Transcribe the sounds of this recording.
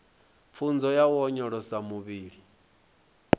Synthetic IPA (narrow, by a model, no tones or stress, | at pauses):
p̪fʰund͡zɔjawɔɲɔɺɔsamuβiːɺi